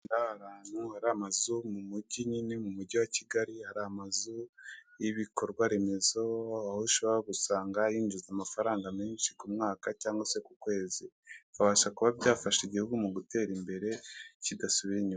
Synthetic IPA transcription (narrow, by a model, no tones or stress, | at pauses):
ndahaɾaːnhuhaɾaamazumumuɟiɲinimumuɟiwaciɡaɾihaɾaamazujiβiko̞ɾɡwaɾe̞me̞zo̞ahuʃo̞βoɾaɡusaːŋɡajiːnd͡ʒuzamafaɾaːŋɡamiːnʃi̥kumŋaːkacaːŋɡase̞kukwe̞ːzi | kaβaːʃakuβabɟaːfaʃiɟihuɡumuɡute̞ːɾimbe̞ɾe̞cidasuβiɾiɲu